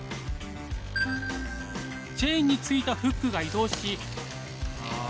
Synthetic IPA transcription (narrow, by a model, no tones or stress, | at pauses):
d͡ʑeĩɲ̟ːit͡sɨit̪aɸɯ̟kːɯ̟ɡaid̪o̞ːɕi